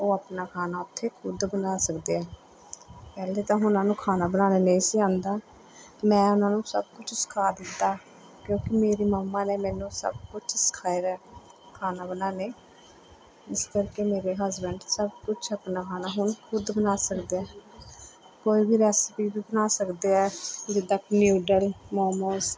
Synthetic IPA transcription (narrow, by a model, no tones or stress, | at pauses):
oːapnaːkʰaːnaːʊt̪ʰːeːkʰʊd̪bənaːsəkd̪eːɛː | pɛːleːt̪ãːɦʊnãːnũːkʰaːnaːbənaːneːnəĩːsiãːnd̪aː | mɛ̃ːʊnãːnũːsəb̚kʊt͡ʃʰsə̥kʰaːd̪ɪt̪ːaː | kjõːkɪmeːɾiːməmːaːneːmɛ̃ːnũːsə̰bkʊt͡ʃʰsə̥kʰaːeɾɛː | kʰaːnaːbənaːneː | ɪskəɾkeːmeːɾeːɦəzbəɳɖsəbkʊt͡ʃʰəpnaːkʰaːnaːɦʊnkʰʊd̪bənaːsəkd̪eːɛː | koːiːbiːɾɛːspiːbiːbənaːsəkd̪eːɛːd͡ʒɪd̪aːknjuːɖəlmoːmoːs